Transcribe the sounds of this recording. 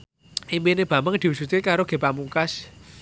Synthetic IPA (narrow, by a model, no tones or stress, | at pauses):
ʔimbineb̥ä̤məŋd̪̥i̤wusut̪̚kekaɾoɡ̥e̤pamukas